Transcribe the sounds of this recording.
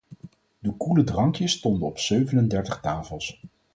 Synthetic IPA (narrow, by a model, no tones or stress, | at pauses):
dəkulədrɑŋkjəstɔndənɔpsøɥvənəndɛɹtəχtaːfəlˠs